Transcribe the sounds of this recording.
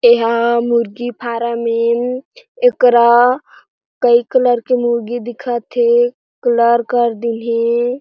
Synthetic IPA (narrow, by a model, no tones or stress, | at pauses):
eɦamuɾɡipʰaɾame | ekɾa | kəikələɾkemuɾɡid̪ikʰət̪ɦe | kələɾkəɾd̪inɦe